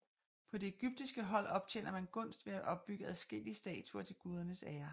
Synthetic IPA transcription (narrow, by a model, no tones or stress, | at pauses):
pʰɒ̽d̥e̝eɡ̥yb̥̚d̥isɡ̥əɦɒ̽l̰ɒ̽b̥̚t͡ɕʰen̰ɐmænɡ̥ɔ̽n̰sd̥ʋe̝æʔɒ̽b̥̚ːyɡ̥əæðˠsɡ̥e̝l̰isd̥ɛ̰ːt͡sʰuɐt͡sʰe̝lɡ̥uːð̞ˠɐnəsæːɐ